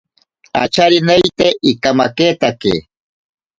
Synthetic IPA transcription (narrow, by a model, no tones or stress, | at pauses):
a̰t͡ʃaɾinejt̪eʔikamakeːt̪akḛ